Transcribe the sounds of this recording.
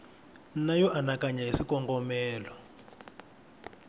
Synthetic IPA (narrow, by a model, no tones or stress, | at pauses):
najɔʔanakaɲaɦisikɔŋɡɔmɛːlɔ